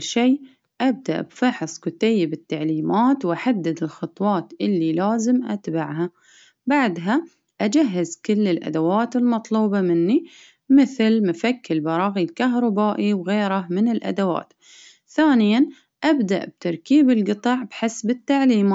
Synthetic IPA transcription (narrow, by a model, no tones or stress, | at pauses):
ʃeː | ʔab̚d̪a̰ʔbfɑħsˤkʊt̪ajːɪbɪt̪ːaʕliːmaːt̪wʔaħad̪ːɪd̪ɪlxɑt̪ˤwɑːt̪ʔɪlːilaːzɪmʔa̰t̪baʕɦa | baʕd̪ɦa | ʔad͡ʒaɦːɪzkɪlːɪlʔa̰d̪awaːt̪ɪlmɑt̪ˤluːbɑmɪnːi | mɪθlmʊfakːɪlbɑɾˤɑːɣilkaɦɾˤɑbaːʔiwɣeːɾamɪnɪlʔa̰d̪awa̰ːt̪ | θaːnɪjan | ʔabd̪a̰ʔb̚t̪ɑɾˤkiːbɪlɡɨt̪ˤɑʕbħɪsbɪt̪ːaʕliːmaː